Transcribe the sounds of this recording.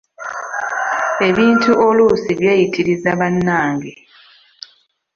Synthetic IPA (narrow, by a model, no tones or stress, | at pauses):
e̞βiːntuʔolusiβjeːjitʰiɾizaβanːaːŋɡe